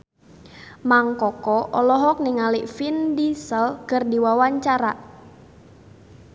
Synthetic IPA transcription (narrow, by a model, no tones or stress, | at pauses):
maŋkɔkɔʔɔlɔɦɔk̚niŋaliʔfindisəlkərdiwawaɲt͡ʃaɾaʔ